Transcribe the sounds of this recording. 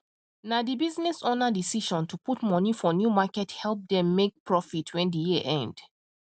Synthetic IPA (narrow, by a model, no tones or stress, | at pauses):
nadibiznɛsɔnədisiʃɔ̃ntʰuputmɔnifɔnjumakɛthɛlˠp̚dɛ̃mːek̚pʰɹɔfitʰwɛ̃ndijiəʔɛ̃nd̥